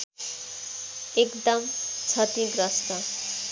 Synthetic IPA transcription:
ekd̪ʌmt͡sʰʌt̪iɡɾʌstʌ

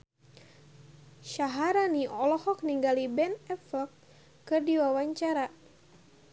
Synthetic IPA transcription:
ʃaɦaɾaniʔɔlɔhɔk̚niŋɡalibɛnɛfɔkː | ɨrdiwawaɲt͡ʃaɾa

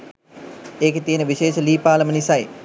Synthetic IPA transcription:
eːket̪ijənəʋiʃeːʃəliːpaːlɐmənisaj

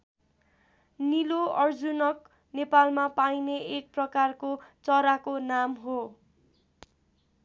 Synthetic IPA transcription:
niloʌrd͡zunʌk̚ | nepalmapajneʔeʈ̚prʌkarkot͡sʌɾakonamɦo

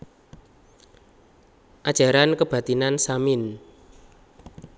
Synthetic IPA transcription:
ʔad̥ʒ̥a̤ɾankəb̥ä̤t̪inansamɪn

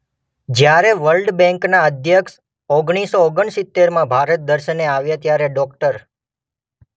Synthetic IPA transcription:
d͡ʒjaɾeʋəlɖbɛ̃ŋknaəd̪ʱjəkʃ | oɡɳ̃isooɡəɳsɪt̪ːeɾmãbʱaɾət̪̚d̪əɾʃəneaʋjat̪jaɾeɖɔkʈəɾ

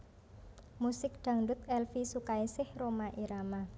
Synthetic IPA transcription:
musɪk̚d̪̥a̤ŋdʊt̪̚ɛlfisukaisɪhromaʔiɾama

